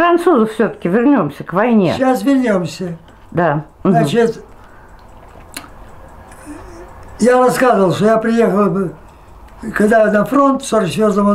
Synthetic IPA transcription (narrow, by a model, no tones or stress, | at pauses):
ɾɐnt̪suzəfsʲot̪ə̥kʲɪvʲɪrnʲo̞msʲəkvɐjnʲḛasvʲɪrnʲomsʲə | d̪am̩at͡ɕɪt̪ | jarɐskazəvəlˠʂt̪ojapɾʲɪjexəlˠ | kɐɡd̪anɐfɾo̞nt̪soɾsʲvʲozəmɐ